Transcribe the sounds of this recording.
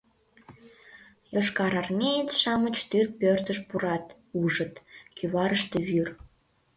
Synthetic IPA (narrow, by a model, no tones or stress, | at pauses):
joʃkɑɾɑrnʲejet̪ʃɑmət͡ɕt̪yrpørt̪əʃpuɾɑt̪ | uʒət̪kʰyβɑɾəʃt̪eβyr